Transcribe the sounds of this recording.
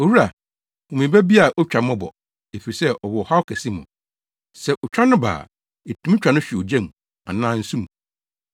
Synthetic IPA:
o˨wu˦ɾa˨ | ɔ̃˨mĩ˨bæ˦bi˦a˨ʔɔ˦t͡ɕᶣã˨mɔ̃˦bɔ̰˨ | e˨fi˨i˨sɛ˦ʔɔ˨wɔ˨ɔ˨ha˦ɔ˦kʰæ˨si˦mʊ̰̃˨ | sɛ˦ʔɔ˨t͡ɕᶣa˦nʊ̃˦ba̰ː˨ | e˨tʰũ˨˦m̃˦t͡ɕᶣa˨nʊ̃˦ɕᶣi˨ɔ˨d͡ʑɛ̃˦mũ˨ | a̰˨nãː˦n̩˦sũ˦mũ˨

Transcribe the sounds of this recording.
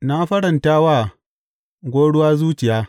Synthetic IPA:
na˦ɸɐ˦ɾɐ˨ntaː˦wa˦˨ | ɡʷoː˦ɽʊ˦waː˦zuː˦t͡ʃɪ˨jaː˦

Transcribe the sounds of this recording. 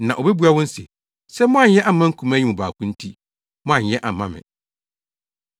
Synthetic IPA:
nã˨ʔo˨bɛ˦bu˦a˨wʊ̃˦n̩˦sɪ̰˨ | sɛ˦mɔ̃˦a˨˦ɛ˦ʔa˨mã˦ŋ̩˦kʰũ˨mæ˦ɲi˦ʊ̃˨ba̰ː˨kʰũ˦n̩˦tʰi˦ | mɔ̃˦ã˨jɛ˦ʔa˨mã˦mɪ̰̃˨

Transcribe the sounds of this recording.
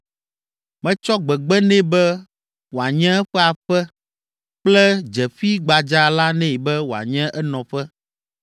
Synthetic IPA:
mɛ̃˦t͡ʃɔ˦ɡ͡bɛ˨ɡ͡bɛ˦nɛ̃˦bɛ˦ | wo˨a˨ɲɛ̃˦ɛ˦ɸɛ˦a˨ɸɛ˦ | k͡plɛ˦d͡ʒɛ˨ɸi˦ɡ͡ba˨d͡ʒa˦la˦nɛ̃˦˨bɛ˦wo˨a̰˨ɲɛ̃˦ʔɛ˦nɔ̃˨ɸɛ˦

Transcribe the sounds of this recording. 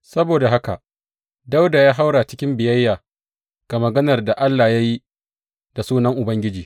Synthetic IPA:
sɐ˦boː˨da˨ɦa˦ka̰˨ʔ | da˦wdaː˨jaː˦ɦa˦wɽa˨t͡ʃɪ̥˦kʲɪ˦mbɪ˨jɐ˦jːaː˨ | ɡ̥a˨mɐ˨ɡɐ˦nɐ˨rda˨ʔa˦lːa˨ja˦ji˦ | da˨suː˦nɐ˦ŋʔʊ˨bɐ˦ŋɡʲɪ˦d͡ʒiː˨

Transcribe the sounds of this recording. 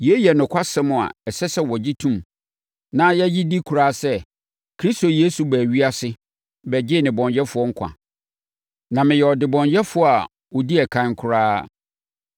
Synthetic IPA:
jɛ˦jɛ˨nʊ̃˨kʷʰa˦sɪ˦mʊ̃˨a̰˨ɛ˨sɛ˦sɛ˦wɔ˨d͡ʑi˦tʰũ˦m | nã˦jɛ˦ji˦di˦kʰu˨ɾaː˦sɛ˦ | kʰɾi˦sto˨je˦su˨bæː˨ɥi˦a˦sɪ˦ | bɛ˨d͡ʑɪ˦nɪ̃˨bɔ̃˨ɲjɛ˦fʊ˨˦ɔ˦ŋ̩˦kʷʰã̰˨ | nã˨mɪ̃˨jɛ˨ɔ˨dɪ˨bɔ̃˨ɲjɛ˦fʊ˨˦ɔ˦a˨ | wɔ˨di˦ɛ˨kʰã˨˦ŋ˦kʰʊ˨ɾaː˦

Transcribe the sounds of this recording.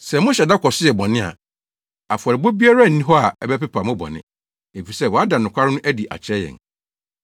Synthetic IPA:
sɛ˨mʊ̃˦ɕɛ˨da˦kʰɔ˨sɪ˦jɛ˨bɔ̃˨nɪ̃˦a̰˨ | a˨fʊ˨a˨ɾɪ˨bo˦bi˦a˦ɾa˦˨n̩˨nĩ˦ɦɔ˦a˨ɛ˨bɛ˦pɛ˦pʰa˨mʊ̃˦bɔ̰̃˨nɪ̰̃˦ | e˨fi˨sɛ˦˨wɔ˨˦a˦da˨nʊ̃˨kʷʰa˦ɾɪ˦nʊ̃˦ʔæ˦di˨ʔa̰˨t͡ɕʰɛ˦jɛ̰̃˨n

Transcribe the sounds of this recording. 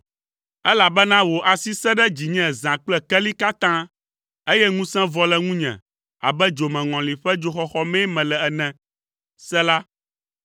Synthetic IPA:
ɛ˦la˨bɛ˦nã˦wo˨ʔa˨si˦sɛ˦ɖɛ˦d͡ʑi˨ɲɛ̃˦˨zã˨k͡plɛ˦kɛ˦li˦ka˦t̪ã˦ | e˦jɛ˦ŋũ˦sɛ̃˦vɔ˦lɛ˦ŋũ˦ɲɛ̰̃˨ | a̰˨bɛ˦d͡ʒo˨mɛ̃˨ŋɔ̃˨li˨ɸɛ˦d͡ʒo˨xɔ˨xɔ˦mɛ̃˦mɛ̃˨lɛ˨ɛ˨nɛ̃˨ | sɛ˦la˦

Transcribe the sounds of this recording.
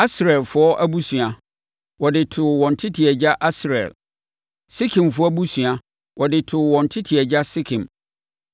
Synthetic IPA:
a˦sɾɛ˨lfʊ˦ɔ˦ʔæ˦bu˦sũ˨ã˨ | wɔ˨dɪ˨tʰʊ˨wɔ̃˨n̩tʰɪ˦tʰi˨ɛ˨d͡ʑa˦ʔa˦sɾɛ̰˨l | si˦kʰɪ̃˨mfʊ˦a˦bu˦su˨a˦ | wʔɔ˨dɪ˨tʰʊ˨wɔ̃˨n̩tʰɪ˦tʰi˨ɛ˨d͡ʑa˦sɪ˦kʰɪ̃˨m

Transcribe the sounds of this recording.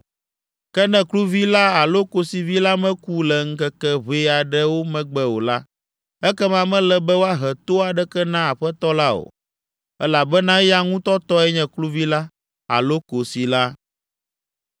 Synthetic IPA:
kɛ˦nɛ̃˦klu˦vi˦la˦a˨lo˦ko˨si˨vi˦la˦mɛ̃˦ku˦lɛ˨ŋ̩˦kɛ˦kɛ˦βe˦a˨ɖɛ˦wo˦mɛ̃˦ɡ͡bɛ˦wo̰˨la˦ | ɛ˦kɛ˦mã˦˨mɛ̃˦lɛ˦bɛ˦wo˦a˦ɦɛ˨t̪o˦a˨ɖɛ˦kɛ˦nã˦a˨ɸɛ˦t̪ɔ˦la˦o̰˨ | ɛ˦la˨bɛ˦nã˦ja˦ŋũ˦t̪ɔ˦t̪ɔ˦ɛ˦ɲɛ̃˨klu˦vi˦la˦ | a̰˨lo˦ko˨si˨la˦

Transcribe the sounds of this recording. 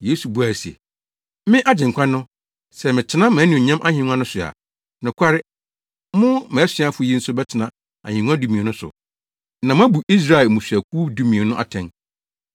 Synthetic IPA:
je˦su˨bu˦a˨si˨ɛ̰˨ | mɪ̃˦ʔa˦d͡ʑɪ̃˨ŋ˨kʷʰã˦nʊ̃˦ | sɛ˨mɪ̃˨tʰɪ˨˦nã˦mã˨˦nĩ˨ɲã˦mʔa˦hɪ̃˨ŋʷ˦ã˦nʊ̃˦sʊ˨a̰˨ | nʊ̃˨kʰʷa˦ɾɪ˦ | mʊ̃˦mɛ̃˨˦sɪ̃˨˦a˦fʊ˨˦ji˦n̩˦sʊ˦bɛ˦tʰɪ˨nã˨ | a˨hɪ̃˨ŋʷ˦ã˦du˨mĩ˨e˨nʊ̃˦sʊ̰˨ | nã˨m˦bu˨i˦s̬ɾa˨ɛ˨mũ˨sᶣɥæ˨kʰuː˦du˦mĩ˨e˨nʊ̃˦ʔa˨tʰɛ̃˨n

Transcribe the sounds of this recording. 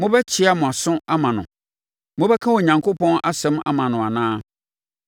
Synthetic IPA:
mʊ̃˦bɛ˦t͡ɕʰɪ˦a˨mʊ̃˨a˨sʊ̃˦a˦mã˨nʊ̰̃˨ | mʊ̃˦bɛ˦kʰã˦wɔ˨ɲã˨ŋkʰo˦pʰɔ̃˦na˦sɛ̃˦ma̰˦mã˨nʊ̃˨a˨nãː˦

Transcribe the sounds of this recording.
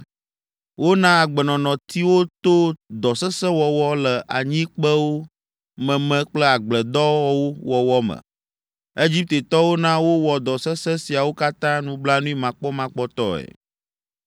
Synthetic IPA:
wo˦nã˦a˨ɡ͡bɛ˨nɔ̃˨nɔ̃˨t̪ʰi˦wo˦t̪o˦d̪ɔ˨sɛ˦sɛ̃˦wɔ˨wɔ˦lə˨ʔa˨ɲĩ˦k͡pɛ˦wo˦ | mɛ̃˨mɛ̃˨k͡plɛ˦a˨ɡ͡blɛ˨d̪ɔ˦wɔ˦wo˦wɔ˨wɔ˦mɛ̰̃˨ | e˦d͡ʑi˦p̚t̪e˨t̪ɔ˦wo˦nã˦wo˦wɔ˨d̪ɔ˨sɛ˦sɛ˦si˨a˨wo˦ka˦t̪ã˦nũ˦bla˦nũ˦i˦mã˨k͡pɔ˦mã˦k͡pɔ˦t̪ɔ˦ɛ̰˨

